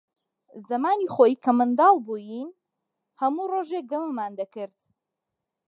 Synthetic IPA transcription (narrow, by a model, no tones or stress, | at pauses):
zɐmaːnixoːjikʰɐmɨnd̪ɑːlˠbujin | hɐmuroːʒek̚ɡɐmɐmaːnd̪ɐkɨɾt̪